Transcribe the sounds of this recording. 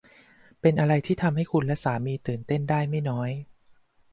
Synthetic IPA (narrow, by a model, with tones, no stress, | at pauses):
pe˧nʔa˧ɾa˧jt̪ʰiː˥˩t̪ʰa˧mha˥˩jkʰu˧nlɛ˦˥saː˩˦miː˧t̪ɯː˨˩nt̪e˥˩ndaː˥˩jma˥˩jnɔː˦˥j